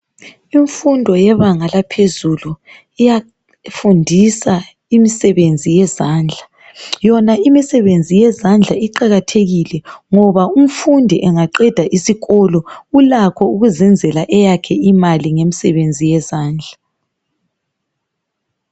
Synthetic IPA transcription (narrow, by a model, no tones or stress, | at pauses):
iɱfundʱɔjɛβaŋalapʰezulu | ija | fundʱisa | imisɛβend͡zʱijɛzaːnd͡ɮʱa | jɔnaimisɛβend͡zʱijɛzand͡ɮʱaiǃaɣatʰeɣilɛŋɔβaum̩fundʱiʔɛŋaǃɛd̥ʱaʔisiɣɔlɔulakʰɔuɣuzɛnd͡zʱɛlaʔɛjakʰɛimaliŋemisɛβend͡zʱijɛzaːnd͡ɮʱa